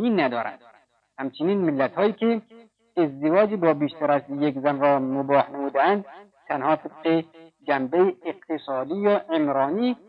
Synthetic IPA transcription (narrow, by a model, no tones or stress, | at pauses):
iːnːæd̪ɒ̰ːɾæ̰nd̪̥̚ | hæmt͡ʃʰɪniːnmɪlːæt̪hɒːjiːkʰe | ezd̪evɒːd͡ʒibɒːbiːʃt̪ʰæɾæst̪jekzænɾɒːmʊbɒːhnæmuːd̪æænd̪̚ | t̪ʰænhɒːt̪ʰeb̚qed͡ʒæmbeeeq̚t̪ʰesɑːd̪iːjɒːʔemɾɑːniː